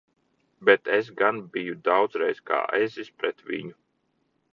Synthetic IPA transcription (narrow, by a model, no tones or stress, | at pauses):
bɛt̪ɛsɡanbijud̪awd̪zɾɛjska̰ːʔɛzispɾɛt̪ʋḭɲu